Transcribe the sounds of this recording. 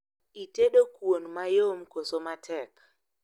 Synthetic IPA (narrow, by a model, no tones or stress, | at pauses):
iteɗokwonmajomkosomatʰɛk